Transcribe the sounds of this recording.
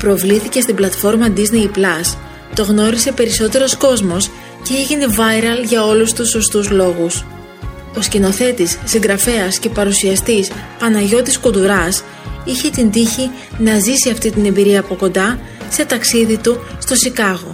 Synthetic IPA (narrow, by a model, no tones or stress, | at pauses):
pɾo̞vliθice̞st̪iblɐt̪fo̞ɾmɐd̪izne̞jplɐs | t̪o̞ɣno̞ɾise̞pe̞ɾiso̞t̪e̞ɾo̞sko̞zmo̞s | ceiʝine̞vɐjɾɐlʝɐo̞lust̪uso̞st̪uzlo̞ɣus | o̞scino̞θe̞t̪isːiŋɡɾɐfe̞ɐsce̞pɐɾusiɐst̪ispɐnɐʝo̞t̪iskut̪uɾɐs | içe̞t̪ind̪içi | nɐzisiɐft̪it̪ine̞mbiɾiɐːpo̞ko̞nd̪ɐ | se̞t̪ɐksiðit̪ust̪o̞sikɐɣo̞